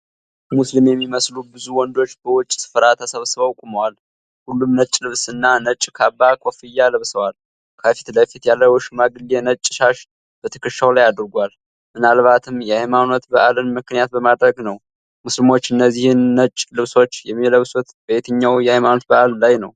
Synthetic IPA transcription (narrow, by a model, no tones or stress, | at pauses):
muslimjɛmːiməslubɨzuwɔnd̪o̞t͡ʃːbəwʊt͡ʃʼːsɨ̥fəɾat̪ʰəsəβsɨβawkʼuməwal | hulːumnət͡ʃʼːlɨβsɨnːanət͡ʃʼːkʰabːakʼofɨjːalɨβsəwal | kʰəfi̥t̪ləfit̪jalːəwɨʃmaɡɨlenət͡ʃʼːʃaʃ | b̥ət̪ʰə̥kɨʃawlajad̪ɾɡʷal | mɨnalβat̪ʰɨmjɛhajmano̞t̪bəʔalənmɨknɨjat̪̚bəmad̪ɾəɡnəw | muslimo̞t͡ʃːɨnːəzːihɨnːət͡ʃʼːlɨβso̞t͡ʃːjɛmːiləβsot̪b̥əet̪ʰəɲːawjɛhajmano̞t̪̚bəʔallajnəw